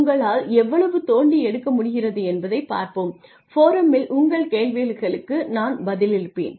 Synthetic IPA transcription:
ŋɡɐɭaːlɛʋːɐɭɐʋɯt̪oːɳɖiɛɽɯkːɐmʊɽɪɣɪrɐðɯɛnbɐðɐɪpːa̰ːɾpɯm | foːɾɐmɪlʔʊŋɡɐɭkeːlʋeːlɣɐɭɯkːɯnaːnbɐðɪlɪɾɯpːḛːn

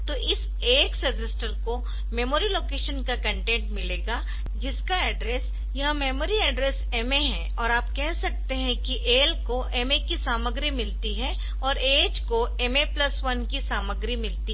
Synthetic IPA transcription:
t̪oːʔɪs | eːksɐdəsʈəlko | memoːɾiloːkeːʃənkakɐ̃ɳʈẽːɳʈmɪleːɡaː | d͡ʒɪskaɛːɖɾeːs | jɐɦãmeːmoːɾiɛːɖɾeːseːmeɦɛ̃ | ɔːɾaːpkɛɦsɐk̚t̪eɦɛ̃kiʔeːlkoʔeːmekisaːməɡɾimɪlt̪iɦɛ | ɔːɾeːd͡ʒkoemeplɐsʋɐnkisaːməɡɾimɪlt̪i

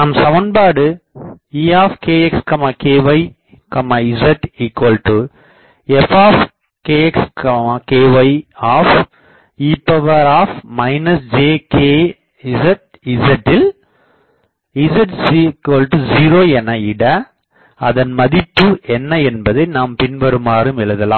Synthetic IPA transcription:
naːmsɐʋɐnbaːɽɯiːaːfkeːɛkskɐmaːkeːʋɐɪ | kɐmaːɪzɐʈiːkwɐːlʈu | ɛfaːf | keːɛkskɐmakeːʋɐɪaːf | iːpːɐʋɐɾaːfmɐɪnɐsd͡ʒeːkeː | ɪzɐʈ̚ | ɪsɐʈːɪl | ɪsɐʈsikoːlʈuziːɾoːɛnɐɪɽɐ | ɐðɐnmɐðɪpːɯʔɛnːɐɛnbɐðɐɪnaːmpɪnʋɐɾɯmaːɾɯmɪlɐðɐlã̰ː

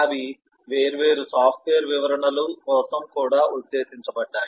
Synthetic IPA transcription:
ɐʋi | ʋeːɾuʋe̞ːɾusaːpʰʈʋeːjɐɾʋiʋɐɾɐɳɐlukɔːsɐmkuːɽaːud̪ːe̞ːsiɲt͡ʃɐbɐɖːaːji

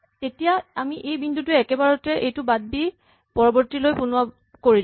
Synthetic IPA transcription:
tetijaamiʔejbindʱutʊɛkɛbaɹɔtɛʔejtʊbad̚bi | pɔɹɔbɔɹtilojpʊnʊwa | koɹi

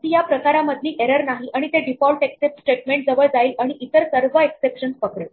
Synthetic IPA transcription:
t̪ijapɾəkaɾaməd̪ʱliːʔeɾəɾnaɦiʔaɽ̃it̪eɖifɔlʈeksep̚ʈsʈeʈmẽɳʈ̚d͡zəʋəɭd͡zaiːlaɽ̃iʔit̪əɾsəɾʋəeksepʂənspəkɭə

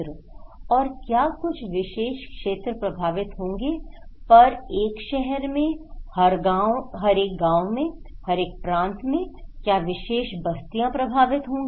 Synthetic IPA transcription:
ɾ | ɔːɾkjaːkʊt͡ʃʰʋɪʃeːʃkʃeːt̪ɾəpɾɐbʱaːʋɪt̪ɦõːŋɡepɐɾeːkʃɛɦɛɾmẽhɐɾɡaɦɐɾeːk̚ɡãːwmẽhɐɾeːk̚pɾãːnt̪mẽkjaːʋɪʃeːʃbʱɐst̪ijãpɾɐbʱaːʋɪt̪ɦõːŋɡe

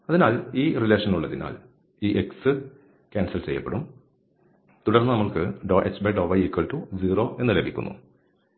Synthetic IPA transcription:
ɐðinaːliːrile̞ːʂɐnuɭːɐðina̰ːl | iːʔeksɨ | kʲaːnsɐlt͡ɕe̞jːɐpːe̞̰ɽum | t̪uɽɐrnːɨnɐmːɐɭkɨɖoʔet͡ɕːbeɖoːʋɐjiːkːɐɭʈud͡ʑiːro̞ːʔe̞nːɨlebʱikʲːunːṵ

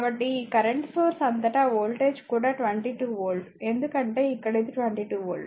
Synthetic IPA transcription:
ɐbɐʈːiːkɐɾɐɳʈsoːɾsɐnt̪ɐʈaːoːlʈeːd͡ʒkuːɽaːʈʋɐɳʈiʈuːʋoːlɖ | end̪ukɐɳʈeːikːɐɽɐt̪iʈʋɐɳʈiʈuːʋoːlɖ

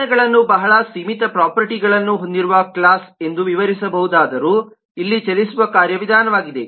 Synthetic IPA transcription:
ɛɡɐɭɐnːubɐɦɐɭɐsiːmit̪ɐpɾaːpɐɾʈiɡɐɭɐnːuɦo̞nd̪iɾuʋɐkɭaːse̞nd̪uʋiʋɐɾisɐbɐɦud̪aːd̪ɐɾuː | ilːit͡ʃɐlisuʋɐkaːɾjɐʋid̪ʱaːnɐʋaːɡid̪e̞

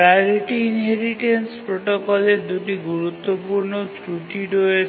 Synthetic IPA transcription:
aɾiʈiːnɦeɾiʈenspɾoʈokɔled̪uʈiɡuɾut̪ːɔpuɾɳɔtɾuʈiɖoe

